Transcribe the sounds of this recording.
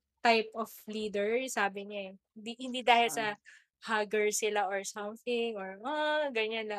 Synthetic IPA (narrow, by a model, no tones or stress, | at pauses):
t̪ajpʔɔfliːd̪ɛɹsaːbɪɲaɛhɪnd̪ihɪnd̪iːd̪aːhɪlsɐ | haɡɛɹsɪlaʔoɹsɔmθɪŋɔɹʔoɡɐɲɐnlɐ